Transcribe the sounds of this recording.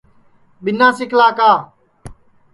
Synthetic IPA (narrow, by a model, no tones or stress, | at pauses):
ɓɪnãːsɪkʰlaːkaː